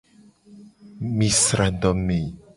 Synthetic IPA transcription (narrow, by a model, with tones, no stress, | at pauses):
misɾand̪ɔ˨mi˨